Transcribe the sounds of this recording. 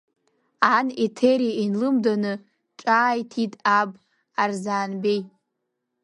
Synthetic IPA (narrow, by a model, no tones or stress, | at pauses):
anetʰeɾiainlɨmdanɨ | ʈ͡ʂʼaːjtʰitʼabʼ | arzaːnbej